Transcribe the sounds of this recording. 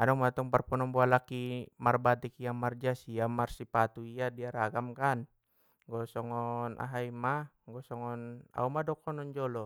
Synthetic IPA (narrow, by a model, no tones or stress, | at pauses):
anɔmat̪ɔŋparpɔnɔmbualakimarbat̪ikiamard͡ʒasiamarsipat̪uiadiaɾaɡamkan | ɡɔsɔŋɔnʔa̰ɦaima | ŋɡɔsɔŋɔna̰umadɔkʰɔnɔnd͡ʒɔlɔ